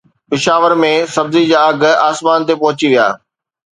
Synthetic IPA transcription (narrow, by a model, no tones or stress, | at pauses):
pɪʃaːʋəɾmẽsɐbzid͡ʑaːɐɡ̆ʱaːsmaːnt̪epɐɦʊt͡ɕiʋija̰ː